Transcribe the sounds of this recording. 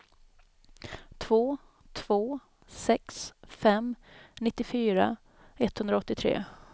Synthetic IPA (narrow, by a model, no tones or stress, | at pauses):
t̪ʰvoː | t̪ʰv̥oː | sɛksfɛmnɪt̪ːɪfyːɾa̰ | ɛt̪hɵnd̪ɾaɔt̪ːɪt̪ʰɾḛː